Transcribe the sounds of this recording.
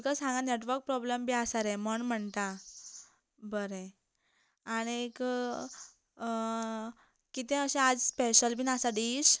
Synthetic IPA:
kasãŋɡaneʈʋəɾk̚pɾɔblembʱiasaɾɛməɳm̤əɳt̪a | bəɾẽː | ɽ̃iek | kit̪ẽəɕẽad͡zspeɕəlbʱiːnasaɖiːɕ

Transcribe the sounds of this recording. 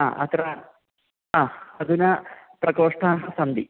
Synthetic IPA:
a̰ːʔɐ̰t̪ɾɐ | aːɐd̪unɐpɾɐkoːʂʈaɦɐsɐmd̪i

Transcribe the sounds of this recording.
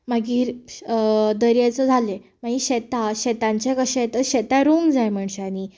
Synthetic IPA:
maɡiːɾ | d̪əɾjat͡səd͡zʱale | maɡiɕɛt̪aɕɛt̪ãɲt͡ɕjakəɕɛt̪əɕɛt̪aɾoŋɡd͡zajm̤əɳɕeani

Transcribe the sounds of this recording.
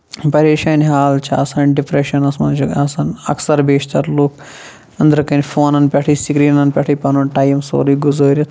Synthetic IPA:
pɐɾeːʃaːnɦaːlt͡ʃʰɐsɐnɖipɾeʃɐnɐsmɐ̰nt͡ʃuɡɐsɐnɐ̰ksɐɾbeːʃt̪ɐɾlukʰ | ɐnd̪ɐɾkɐnʲfoːnɐnpʲɐʈʰiːsikɾiːnɐnpʲɐʈʰiːpɐnonʈaːjɐmso̰ːɾiɡuzoːɾʲɐt̪ʰ

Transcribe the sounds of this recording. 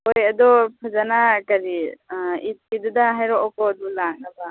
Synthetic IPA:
ojɐd̪ɔpʰazanakɐɾiit̚kidudaɦajɾɔʔɔkɔd̪ulaŋ̚aba

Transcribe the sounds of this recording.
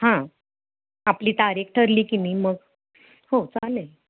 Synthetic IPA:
hã | apliːt̪aɾek̚ʈʰəɾliːkiniːməɡ | hot͡sale

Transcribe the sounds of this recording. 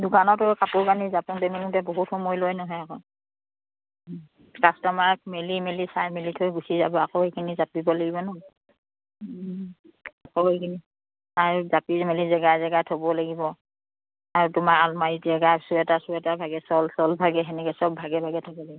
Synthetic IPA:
dʊkanɔtɔkapʊɹkanizapɔntɛmiluntɛboɦutxɔmɔjlojnɔɦɔjakɔ | kastɔmaɹk̚melimelisajmilitʰojbusizabɔakohekʰinizapibɔlaɡibɔnɔ | akoɦekʰini | aɹuzapimelizɛɡajzɛɡajtʰɔbɔlaɡibɔ | aɹutʊmaɹalmaizɛɡajsuɛtasuɛtabʱaɡɛsɔlsɔlbʱaɡɛɦɛnɛkɛsɔbbʱaɡɛbʱaɡɛtʰɔbɔlaɡibɔ

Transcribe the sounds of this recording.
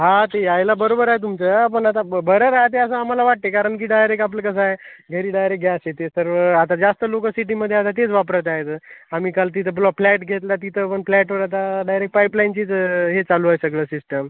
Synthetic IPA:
ɦat̪eajlabəɾobəɾaɦet̪umt͡səːp̬əɳat̪abəɾəɾaɦt̪eəsəam̤alaʋaʈ̚t̪ekaɾəɳkiːɖajɾekap̬ləkəs̬aɦeɡʱəɾiːɖajɾek̚ɡʱjaset̪esəɾʋəat̪ad͡zast̪əlokəsiʈ̬iməd̪ʱːjeat̪̬at̪et͡sʋapɾət̪aɦet̪əamiːkalt̪̬it̪ʰəpulʋaplɛʈɡʱet̪lat̪̬it̪ʰəpəɳflɛʈʋəɾat̪̬aɖajɾek̚ʈpajplajnt͡ɕiːt͡sɦet͡saluːajsəɡɭəːsisʈəm

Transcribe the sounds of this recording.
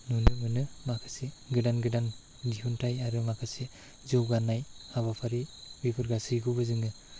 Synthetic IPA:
nunɯmɯnɯmakʰḁseɡɯdanɡɯdan | diɦuntʰajaɾɯmakʰase | zɯwɡanːajhaβapʰaɾibipʰɯɾɡasɯjɡubɯzɯŋɯ

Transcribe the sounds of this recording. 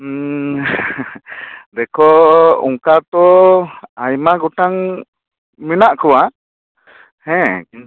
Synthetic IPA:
d̪ɛkʰɔṵŋkat̪ɔ | ajmaɡuʈaŋ | minaʔkuwa | hɛ̃

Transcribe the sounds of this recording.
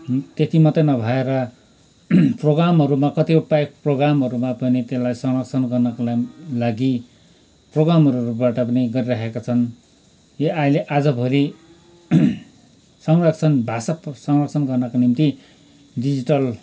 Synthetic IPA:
t̪et̪imʌt̪ʌjnʌbʱʌeɾʌ | tproɡamɦʌɾumakʌt̪iupajk̚proɡɾamɦʌɾumapʌnit̪elajsʌŋrʌkt͡sʰʌnɡʌrnʌkolaɡi | proɡɾamʌɾuɾubaʈʌpʌniɡʌɾiɾaɦekat͡sʰʌn | jʌajleʔad͡zʌbʱʌɾi | sʌŋrʌkt͡sʰʌnbʱasasʌŋrʌkt͡sʰʌnɡʌrnʌkonimt̪i | ɖid͡ziʈʌl

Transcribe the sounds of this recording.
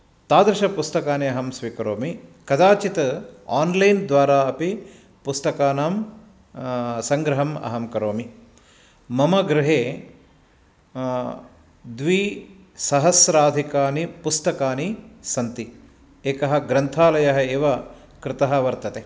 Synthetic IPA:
t̪aːd̪ɾɪʃɐpust̪ɐkaːniɐɦɐmsʋiːkɐɾoːmikɐd̪aːt͡ʃit̪ɐaːnlɐjnd̪ʋaːɾaːɐpi | pust̪ɐkaːnaːm | sɐŋɡɾɐɦɐmɐ̰ɦɐmkɐɾoːmi | mɐmɐɡɾɪɦeː | d̪ʋi | sɐɦɐsɾaːd̪ʱikaːnipust̪ɐkaːnisɐnt̪i | eːkɐɦɐ̆ɡɾɐnt̪ʰaːlɐjɐɦɐeːʋɐ | kɾɪt̪ɐɦɐʋɐɾt̪ɐt̪eː

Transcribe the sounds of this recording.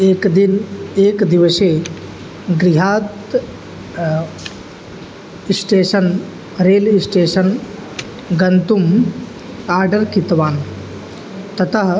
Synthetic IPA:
eːkd̪ineːkd̪iʋəseː | ɡɾiɦaːt̪ | sʈeːʃɐn | ɾeːlisʈeːʃɐn | ɡɐnt̪um | aːɾɖɐɾkit̪ʋaːn | t̪ɐt̪ʰɐɦ

